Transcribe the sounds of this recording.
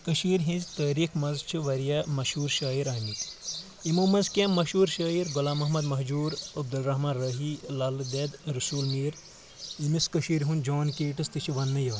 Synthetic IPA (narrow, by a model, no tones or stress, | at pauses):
kɐʃiːɾʲɦĩzt̪əːɾikʰmɐnzt͡ʃʰiʋɐɾjamɐʃuːɾʃaːiɾɐːmit̪ | imoːmɐzkʲẽmɐʃuːɾʃaːiɾɡulaːmɐɦmɐd̪mɐɦd͡ʒuːɾɐb̚d̪ulɾɐɦmaːnɾɐɦilaːld̪eːd̪ɾɐsuːlmiːɾ | imiskɐʃiːɾɦund͡ʒoːnkeːʈɨst̪ɨt͡ʃʰiʋɐnːɨjɐːn